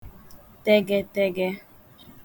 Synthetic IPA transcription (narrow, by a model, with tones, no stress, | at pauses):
tɛ˦ɡɛ˦tɛ˦ɡɛ˦